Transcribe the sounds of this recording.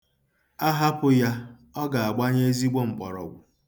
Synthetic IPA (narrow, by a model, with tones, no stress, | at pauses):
a˦ɦa˦pʊ˦ja˦ | ɔ˦ɡa˨a˨ɡ͡ba˦ɲe˦e˦zi˦ɡ͡bo˦ŋ͡m̩˨k͡pɔ̰˨ɾɔ̰˨ɡʷʊ˨